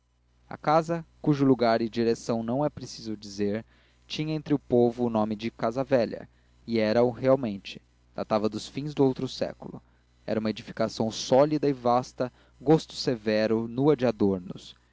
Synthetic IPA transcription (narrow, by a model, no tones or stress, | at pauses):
ɐ̰kazɐkuʒʊluɡaɾɪd͡ʒiɾesɐ̃w̃nɐ̃w̃ɛpɾesizʊd͡ʒizeɾ | t͡ʃĩɲɐẽnt̪ɾɪʊpovʊːnõmɪd͡ʒɪkazɐvɛʎɐ̰ | ɪɛɾɐʊheawmẽnt͡ʃɪ̥ | d̪̥a̰t̪avɐd̪ʊsfĩzd̪ʊowt̪ɾʊsɛ̰kulʊ̰ | ɛ̰ɾɐũmɐed͡ʒifi̥kasɐ̃w̃sɔlid̪ɐɪvast̪ɐ | ɡost̪ʊ̥sevɛɾʊnuɐd͡ʒɪad̪oɾnʊs